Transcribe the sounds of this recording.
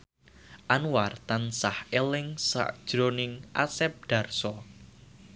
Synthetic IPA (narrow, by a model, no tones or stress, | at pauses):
ʔanwart̪ansahelɪŋsa̰ʔd̥ʒ̥ɾonɪŋʔa̰sɛp̚ɖ̥a̤rsɔ